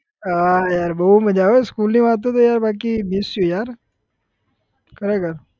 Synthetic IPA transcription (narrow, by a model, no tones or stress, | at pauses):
ajaːɾbəɦuməd͡ʑaʋoskuːlnĩːʋat̪̬ot̪̬ojaːɾbak̬imisujaɾ | kəɾekəɾ